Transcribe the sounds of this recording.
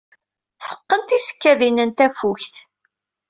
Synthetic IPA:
fə̥qːənt̪isə̥kːæðinənt̪æfuçθ

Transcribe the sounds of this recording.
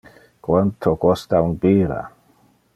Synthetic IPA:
kwant̪ʰokɔst̪aunpiːɾa̰

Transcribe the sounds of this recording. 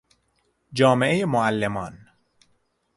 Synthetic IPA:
d͡ʒɒːmeʔejemoælːemɒːn

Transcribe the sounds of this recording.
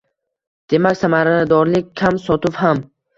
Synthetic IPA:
d̪̥e̞makʲsamaɾad̪ɒɾlɪkʲkʲʰamsɒt̪ʰʊpham

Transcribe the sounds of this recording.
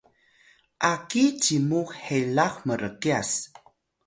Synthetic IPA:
ʔakit͡ʃimuhelaxməɾəkias

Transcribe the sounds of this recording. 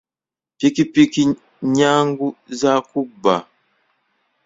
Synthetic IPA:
pikipiki | ɲaŋɡuzakuba̰

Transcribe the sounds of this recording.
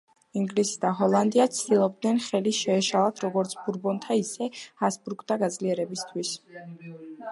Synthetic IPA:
iŋɡlisi̥d̪aɦɔlˠand̪iat̪sʰd̪ilˠɔb̚d̪nɛnχɛliʃɛːʃalˠat̪ʰɾɔɡɔɾt̪sʰbuɾbɔnt̪ʰaisɛhasbuɾɡd̪aɡad̪zliɛɾɛbist̪ʰwis

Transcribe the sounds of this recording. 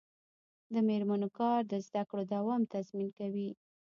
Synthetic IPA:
d̪əmeɾmanokɑɾd̪əzd̪akɽod̪awɑmt̪azminkawi

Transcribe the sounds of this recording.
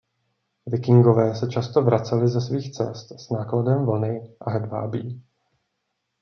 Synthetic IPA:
vɪkɪŋɡo̞vɛːsɛt͡ʃast̪o̞vɾat͡sɛlɪzɛsviːxt͡sɛ̰st̪z̥naːkladɛmvl̩nɪʔaɦɛdva̰ːbiː

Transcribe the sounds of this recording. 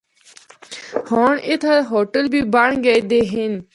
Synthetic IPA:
hoːɳɪt̪ʰaɦoːʈəlbʱiːbɐɳɡəed̪eːɦɪn

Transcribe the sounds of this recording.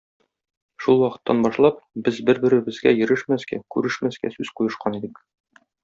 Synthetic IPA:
ʃulˠwɒqɤ̆t̪ːɑnbɒʃlˠɑp̚bɘzbɘɾbɘ̆ɾɘ̆bɘ̆zɡæjɘ̆ɾɘʃmæsɡækʉɾɘʃmæsɡæ̰sʉzqujɤ̆ʃqɑnid̪ɘk

